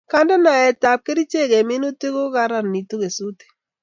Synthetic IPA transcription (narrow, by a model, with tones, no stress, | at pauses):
ka˦nda˦na˨ɛ˨ta˨p̚ke˦ɾi˦t͡ʃe˦˨kɛ˨mɪ˦no˦te˦ko˦ka˦ɾa˨nni˨to˦ke˨su˦te̥˨